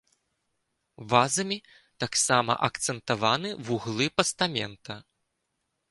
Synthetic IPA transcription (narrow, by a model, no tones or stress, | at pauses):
vazɐmʲi | t̪aksamɐ̰ʔɐkt̪sɛnt̪avanɨvuɣlˠɨpɐst̪amʲɛnt̪ɐ